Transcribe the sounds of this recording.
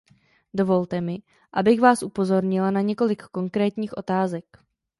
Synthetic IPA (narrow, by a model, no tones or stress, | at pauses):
do̞vo̞lt̪ɛmɪ | ʔabɪɣvaːsʔupo̞zo̞ɾɲɪlanaɲɛko̞lɪkːo̞ŋkɾɛːt̪ɲiːxʔo̞t̪aːzɛk